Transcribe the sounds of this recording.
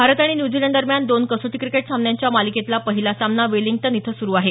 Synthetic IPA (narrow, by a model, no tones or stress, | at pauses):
bʱaɾət̪aɽ̃injud͡ʑilẽɳɖd̪əɾmjand̪onkəsoʈikɾikeʈsamnjaɲt͡ɕjamaliket̪lapəɦilasamnaʋeliŋɡt̪ənit̪ʰəsuɾuːaɦe